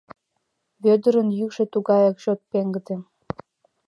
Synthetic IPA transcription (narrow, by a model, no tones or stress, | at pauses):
βød̪ə̆ɾə̆njykʃĕt̪uɡɑjɑkɕot̪̚peŋɡə̆d̪ĕ